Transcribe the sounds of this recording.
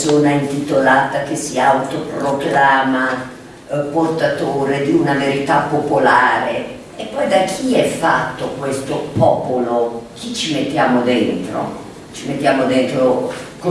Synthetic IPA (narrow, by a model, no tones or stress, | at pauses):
soːnaint̪it̪olaːt̪ak̟esːiawt̪opɾoklaːma | port̪at̪oːɾed̪iunaveɾit̪apːopolaːɾe | epːɔjd̪ak̟ʰiɛfːat̪ːokwest̪opɔːpolok̟ʰit͡ʃimet̪ːjaːmod̪ɛnt̪ɾo̰ | t͡ʃimet̪ːjaːmod̪ent̪ɾok